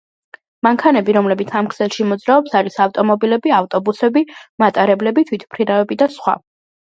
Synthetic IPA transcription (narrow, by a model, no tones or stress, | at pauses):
maŋkʰanɛbiɾɔmlɛbit̪sʰamkʰsɛlˠʃimɔd̪zɾaɔpsaɾisaft̪ʼɔmɔbilɛbiaft̪ʼɔbusɛbimat̪ʼaɾɛblɛbit̪ʰwit̪ʰpʰɾiɾavɛbid̪asχwa̰